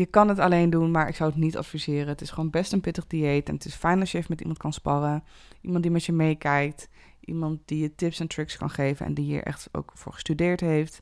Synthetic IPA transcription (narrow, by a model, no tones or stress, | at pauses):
jəkɑnɦətɑlejndunmaːɹʔɪ̰ksɑwətnitɑ̰tfizɪːrənətɪsχəʋoːnbɛstənpɪtəχdiejtɛnətɪsfɛjnɑsjəfmɛtḭmɑnt̚kɑnspɑrə | ʔimɑnt̚dimɛtjəmejkɛjk̚t | ʔḭmɑnt̚dijətɪpsɛntrɪkskɑ̰nχejvə̰nʔɛ̰ndiɦḭːɹʔɛ̰χto̰wkfʊ̰ːɹχə̥stydɪːɹtɦejft